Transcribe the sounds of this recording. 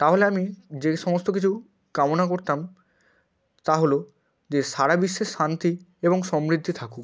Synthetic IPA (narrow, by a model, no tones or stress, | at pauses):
t̪aɦoleamid͡ʑeʃɔmost̪okit͡ɕʰu | kamonakoɾt̪am | t̪aɦolo | d͡ʑeʃaɽabiʃːeʃʃant̪i | eboŋʃɔmɾid̪ʱːit̪ʰaku